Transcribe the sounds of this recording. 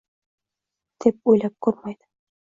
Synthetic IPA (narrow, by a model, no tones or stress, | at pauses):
t̪ip̚ujlap̚kuɾmɑjd̪ɤ̥